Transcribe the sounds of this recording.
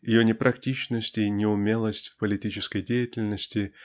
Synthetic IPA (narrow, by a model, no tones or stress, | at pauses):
jɪjonʲɪpɾʔɐktʲit͡ɕnəsʲtʲinʲɪʊmʲelˠəsʲtʲfpəlʲɪtʲit͡ɕɪskəjdʲejɪtʲɪlʲnəsʲtʲɪ